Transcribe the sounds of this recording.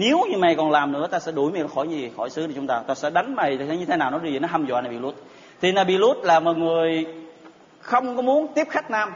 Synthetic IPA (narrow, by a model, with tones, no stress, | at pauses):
ne˨˦wɲɨ˧ma˨˩jkɔ˨˩nlaː˨˩mnɨ̰˧˥ət̪aː˧sɛ̰˧˥ɗu˧˩jma˨˩ɔ˨˩xɔ˧˩jɲɨ˧vi˨˩xɔ˧˩jsɨ˨˦ɗə˨˧˦t͡ɕʊ˦ŋ͡mt̪aː˧t̪aː˧sɛ̰˧˥ɗa˨˦jŋ̟ma˨˩jɲɨ˧t̪ʰe˨˦naː˨˩wnɔ˨˦ɗɨ˧˩vi˨˩nɔ˨˦ɦa˧mza̰ː˧˨naː˨˩ɓi˧˩lu˦˥t̚ | t̪ʰi˨˩naː˨˩ɓi˧lu˦˥t̚laː˨˩mɔ˨˩jŋɨ˨˩əj | xə˧wŋ͡mkɔ˨˦mu˨˦ənt̪i˦˥əp̚xa˦˥jk̟̚naː˧m